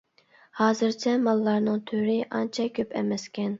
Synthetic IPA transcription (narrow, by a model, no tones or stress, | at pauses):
hɑːzɨɾt͡ʃʰɛmɑlˠːɑɾnɨŋt̪ʰøɾɪʔɑnt͡ʃʰɛkʲʰøpʰɛ̰mɛskʲʰɛn